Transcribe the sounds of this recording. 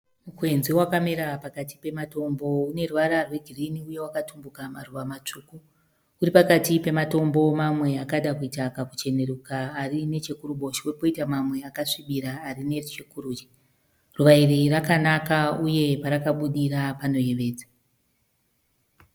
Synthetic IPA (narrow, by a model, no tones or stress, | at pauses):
mukwe̞nziwakameɾapakati̥pe̞mato̞mbo̞une̞ruʋaɾarwe̞ɡʱiriniuje̞wakatumbukamaruʋamat͡ʂuːku | uripakatipe̞mato̞mbo̞mamwe̞akaɗakuitakaku̥t͡ʃe̞ne̞ɾukaːrine̞t͡ʃe̞kuruɓo̞ʃiuripo̞itamamwe̞akaʂiɓiɾaːrine̞rut͡ʃekuɾuːt͡ʃi̥ | ruʋairirakanakauje̞paɾakaɓuɗiɾapano̞je̞ʋe̞ːd͡za